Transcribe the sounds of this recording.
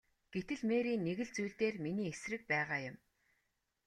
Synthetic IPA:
ɡ̥et̪ɘ̆ɮmeːɾiːnːeɣɘ̆ɮt͡sujɮt̪eːrminiːesrɘ̆k̚pæːʁaːjʊ̆m

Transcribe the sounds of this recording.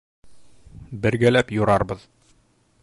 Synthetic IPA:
bɘ̆ɾɡælæpjuɾɑɾbɤð̥

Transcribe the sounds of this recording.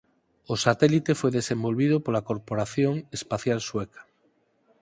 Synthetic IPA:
osat̪elit̪efweðesembolβið̞opolakoɾpoɾaθjoŋespaθjalswekḁ

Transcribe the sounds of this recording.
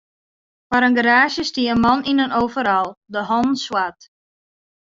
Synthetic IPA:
faɾənɡəɾaːʃjəstiəənmɔninənowvəɾɔlˠdəɦɔnn̩swat

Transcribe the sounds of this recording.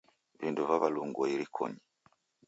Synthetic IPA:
vinduvaβaluŋɡɔilikʰɔ̰ɲi

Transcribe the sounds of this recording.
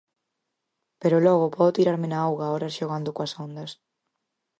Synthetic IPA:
peɾolɔɣʊpɔðot̪iɾaɾmɪnaawɣaɔɾasʃoɣand̪ʊkwɐsond̪ɐs

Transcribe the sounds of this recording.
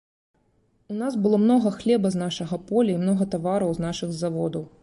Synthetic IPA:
unasbɨlˠɔmnɔɣɐxlʲɛbɐznaʂɐɣɐpɔlʲɐimnɔɣɐt̪avaɾɐwznaʂɨɣzavɔd̪ɐw

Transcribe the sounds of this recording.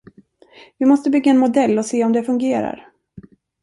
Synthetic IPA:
vɪmɔst̪əbʏɡːaɛnmʊd̪ɛlːɔseːɔmd̪ɛfɵŋɡeːɾa̰ɾ

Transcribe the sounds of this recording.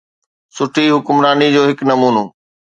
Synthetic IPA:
sʊʈʰiɦʊkʊmɾaːnid͡ʑoːɦɪknɐmuːnoː

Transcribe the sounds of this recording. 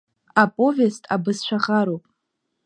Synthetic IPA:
apʼo̞vestʰʼa̰bɨzʃʷᶣaʁaɾowpʼ

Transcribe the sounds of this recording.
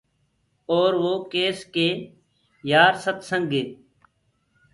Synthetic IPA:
oːɾʋoːkeːskeː | jaːɾsət̪səŋɡeː

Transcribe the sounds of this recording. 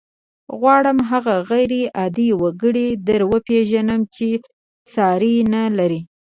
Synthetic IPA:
ɣwɑɽəmɦaɣaɣajɾeʔɑd̪iwaɡəɽid̪aɾwəpeʒanəmt͡ʃe | sɑɾinalaɾi

